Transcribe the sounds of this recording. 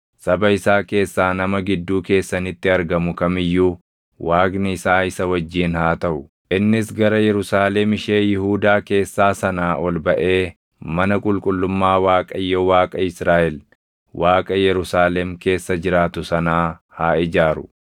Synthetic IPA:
sɐbɐɪsaːke̞ːsːaːnɐmɐɡɪd̪ːuːke̞ːsːɐnɪt̪ːɪɐɾɡɐmʊkɐmɪjːuː | wʔaːɡnɪɪsaːɪsɐwɐd͡ʒːiːnhaːt̪ɐʔʊ | ʔɪnːɪsɡɐɾɐjɛɾʊsaːlɛmɪʃe̞ːjɪɦuːd̪aːke̞ːsːaːsɐnaːʔɔlbɐʔe̞ː | mɐnɐkʼʊlkʼʊlːʊmːaːwaːkʼɐjːɔwaːkʼɐɪsɾaːʔɛl | wʔaːkʼɐjɛɾʊsaːlɛmke̞ːsːɐd͡ʒɪɾaːt̪ʊsɐnaːhaːɪd͡ʒaːɾʊ

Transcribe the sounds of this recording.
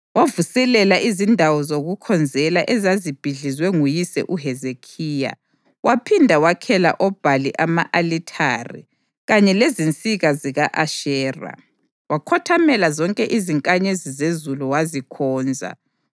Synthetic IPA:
wavusɛlɛlaʔizindʱawɔzoɣukʰɔnd͡zʱɛlaʔɛzazib̥ʱiɮizwɛŋujisɛ̰ʔuɦɛzekʰiːja̰ | wapʰindʱawakʰɛla̰ʔɔb̥ʱaliʔamaʔalitʰaːrḭ | ɣaɲɛlezint͡sʼiɣaziɣaʔaʃɛːra̰ | wakʰɔtʰamɛlazɔŋkʼɛʔiziŋkʼaɲezizezuluwazikʰɔːnd͡zʱa̰

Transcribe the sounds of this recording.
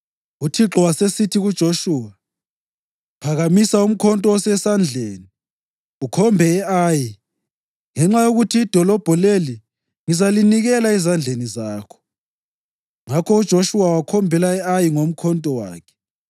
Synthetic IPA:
utʰiǁɔwasesitʰiɣud̥ʒ̥ʱoʃuːwa | pʰaɣamisaum̩kʰɔntʼɔɔsɛsand͡ɮʱeːni | ukʰɔmbʱɛɛaji | ŋɛŋ͡ǁajoɣutʰiːd̥ʱɔlɔb̥ʱɔleli | ŋizaliniɣɛlaizand͡ɮʱenizaːkʰɔ̥ | ŋakʰɔud̥ʒ̥ʱoʃuwawakʰɔmbʱɛlaɛajiŋom̩kʰɔntʼɔwa̰ːkʰɛ̥

